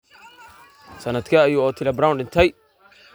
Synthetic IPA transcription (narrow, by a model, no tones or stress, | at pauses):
sɐnɐd̪kʰɐːjuːɔːt̪ʰɪlɐbɾawnɖɪnt̪ʰɛj